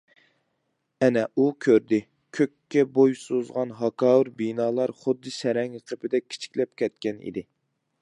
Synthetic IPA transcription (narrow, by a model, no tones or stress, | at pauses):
ɛnɛukʲʰøɾd̪ɪ | kʲʰøkʲːɛbojsozʁɑnɦɑkʰɑːwuɾbinɑːlˠɑɾχʊd̪ːɨsɛɾɛŋjəqʰəpɪd̪ɛkʲʰi̥t͡ʃʰi̥kʲlɛp̚kʲʰɛt̪̚kʲɛnḭd̪ɪ